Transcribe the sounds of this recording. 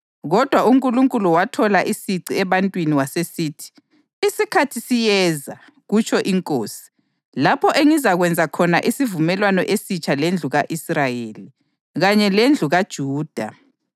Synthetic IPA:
ɣɔd̥ʱwauŋkʼuluŋkʼuluwatʰɔlaʔisiǀiɛβantʼwiniwasesiːtʰi̥ | isikʰatʰisijɛza | ɣut͡ʃʰɔʔiŋkʼoːsi̥ | lapʰɔʔeŋizaɣwɛnd͡zʱakʰɔnaʔisivumɛlwanɔʔesit͡ʃʰʼalend͡ɮʱuɣaʔisrajeːli | ɣaɲɛlend͡ɮʱuɣad̥ʒ̥ʱuːd̥ʱa̰

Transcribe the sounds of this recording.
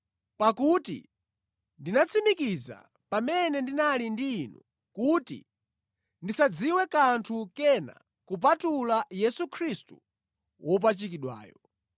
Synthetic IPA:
pakutḭ | ndinat͡sʰimikiza̰ | pamɛnɛndinalindinɔ̰ | kutḭ | ndisad͡ziwɛkantʰukɛna̰ | kup̬atulajɛsukʰɾistu | wʔɔp̬at͡ʃikiɗwa̰ːjɔ

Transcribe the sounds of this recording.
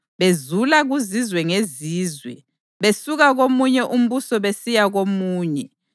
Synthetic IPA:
βezulaɣuzizwɛŋeziːzwɛ̰ | βesuɣaɣomuɲɛʔum̩βusɔβesijaɣomuːɲɛ

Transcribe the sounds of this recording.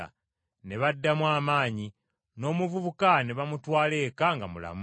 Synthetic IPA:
a̰ | ne̞βadːamwaːmaːɲi | no̞ːmuvuβukaneβamutwaːle̞ːkaŋɡamula̰mu

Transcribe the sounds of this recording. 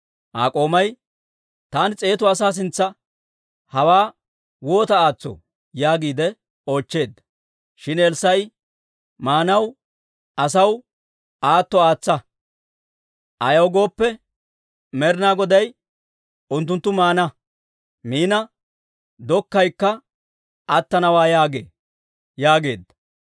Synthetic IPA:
ʔa̰ːkʼo̞ːmɐj | t̪aːnt͡sʼe̞ːt̪ʊɐsaːs̬ɪnt͡sːɐ | hɐwaː | wo̞ːt̪ɐaːt͡sːɔ̰ | jaːɡiːd̪ɛ | o̞ːt͡ʃːe̞ːd̪ːɐ̥ | ʃɪnɛlsɐj | maːnɐw | ɐs̬ɐw | ʔaːt̪ːɔaːt͡sːɐ | ʔɐjɐwɡo̞ːpːɛ | mɛɾɪnaːɡɔd̪ɐj | ʔʊnt̪ːʊnt̪ːʊmaːnɐ | miːnɐ | d̪ɔkːɐjkːɐ | ɐt̪ːɐnɐwaːjaːɡḛː | jaːɡe̞̰ːd̪ːɐ̥

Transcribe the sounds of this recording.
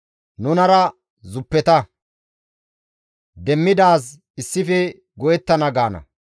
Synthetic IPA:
nʊnɐɾɐ | zʊpːɛt̪ɐ | d̪ɛmːɪd̪aːs̬ | ɪsːɪfɛ | ɡɔjɛt̪ːɐnɐɡaːnɐ̰

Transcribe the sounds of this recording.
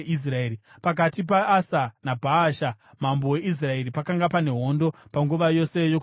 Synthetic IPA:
is̬raeɾi | pak̬atip̬aːsanabʱaːʃa | mambo̞we̞ʔis̬rae̞ɾipakaŋɡapane̞ɦo̞ndo̞paŋɡuʋajo̞se̞jok

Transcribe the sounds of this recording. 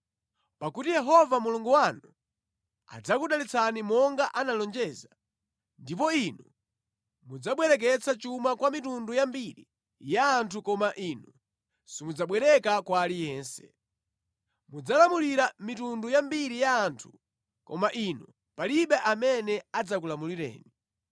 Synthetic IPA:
pakutijɛɦɔvamuluŋɡuwanu | a̰d͡zakuɗalit͡sʰanimɔŋɡaʔanalɔnd͡ʒɛːza | ndip̬ɔinu | mud͡zaɓwɛɾɛk̬ɛt͡sat͡ʃumakwamitundujambiɾḭ | jaːntʰukɔmaʔiːnu | simud͡zaɓwɛɾɛkakwalijɛːnsɛ | mud͡zalamuliɾamitundujambiɾijaːntʰu | kɔ̰maʔinu | paliɓɛʔamɛnɛad͡zakulamuliɾɛ̰ːni

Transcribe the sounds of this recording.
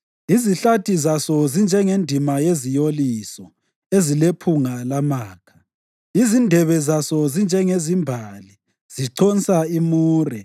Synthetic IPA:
iziɬatʰizasɔzind͡ʒʱɛŋendʱimajezijolisɔ | ezilepʰuŋalamaːkʰḁ | izindʱɛβɛzasɔzind͡ʒʱɛŋezimbʱali | z̥iǀʰɔnsaimuːrɛ

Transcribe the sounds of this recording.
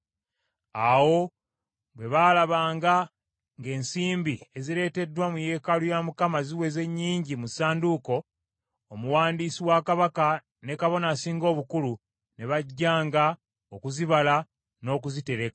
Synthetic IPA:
awo̞ | bwe̞βaːlaβaːŋɡa | ŋɡe̞ːnsiːmbie̞ziɾe̞ːte̞dwamuje̞ːkalujamukamaziwe̞ze̞ɲːiːɲɟimusaːnduko̞ː | muwaːndiːsiwakaβaka | ne̞kaβo̞nasiːŋɡo̞ːβukulu | ne̞βaɟːaːŋɡa | okuziβala | no̞ːk̬uzite̞ɾe̞kḁ

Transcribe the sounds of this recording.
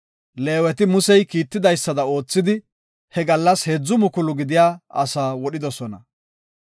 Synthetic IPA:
le̞ːwɛt̪ɪmʊsɛjkiːt̪ːɪd̪ɐjsːɐd̪ɐo̞ːt͡sːɪd̪ɪ | hɛɡɐlːɐshed͡zːʊmʊkʊlʊɡɪd̪ɪjaːɐsaːwɔɗɪd̪ɔsɔnɐ

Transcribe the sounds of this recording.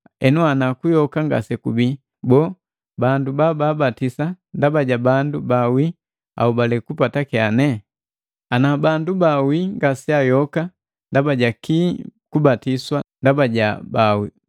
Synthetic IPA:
ɛnuanakujɔkaŋɡa̰sɛkubi | bɔː | bandubababatisa | ndabaɟabandubawi | a̰ubalɛkupatakɛanɛ | anabandubawiŋɡasiajɔka | ndabaɟakikubatiswandabaɟabawi

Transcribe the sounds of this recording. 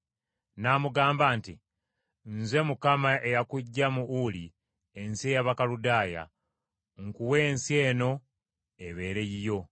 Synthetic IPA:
namuɡaːmbaːnti | nze̞mukamaʔe̞jakuɟːamuuli | ensiejaβakaludaːja̰ | ŋkuwe̞ːnsie̞ːno̞ | e̞βe̞ːɾe̞jijo̞

